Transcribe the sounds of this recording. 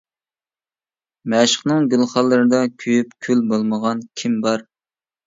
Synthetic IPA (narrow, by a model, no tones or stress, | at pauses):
mɛʃə̥χnɨŋɡʲylˠχɑlˠːɨɾɨd̪ɑkʲʰyjypkʲʰylbolˠməʁɑnkʲʰimbɑɾ